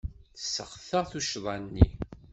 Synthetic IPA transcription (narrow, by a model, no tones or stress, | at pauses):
θsəχθəʁθuʃðˤɑnːḭ